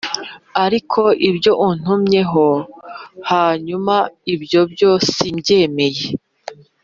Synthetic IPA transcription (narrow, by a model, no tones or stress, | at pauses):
aɾikʰo̞ʔibɟo̞ʔun̥umɲe̞ɦo̞ | haːɲumaibɟo̞bɟo̞simɟe̞ːme̞je